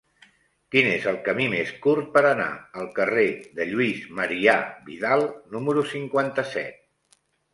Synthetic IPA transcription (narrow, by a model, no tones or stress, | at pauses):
kinezəlˠkəmimeskuɾt̪̚pəɾəna̰əlˠkəreðəʎuizməɾiaβḭðalˠnuməɾusiŋkwant̪əsɛ̰t̪̚